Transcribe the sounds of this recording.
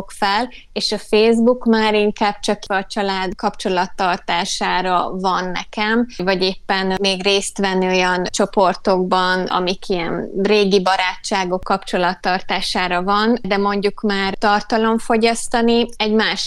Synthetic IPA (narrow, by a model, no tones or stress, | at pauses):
kfɛl | eːʃɒfeːzbukmaːɾiŋkaːb̥̚t͡ʃɒkɒt͡ʃɒlaːd̪kɒpt͡ʃo̞lɒt̪ːɒrt̪aːʃaːɾɒvɒnːɛ̰kɛmvɒɟeːpːɛnmeːɡreːst̪ʋɛnːojɒnt͡ʃo̞po̞rt̪o̞ɡbɒnɒ̰mikʰiɛnreːɡibɒɾaːt͡ʃːaːɡo̞kːɒpt͡ʃo̞lɒt̪ːɒrt̪aːʃaːɾɒvɒnd̪ɛmo̞ɲɟukmaːrt̪ɒrt̪ɒlo̞ɱfo̞ɟɒst̪ɒniɛɟmaːʃ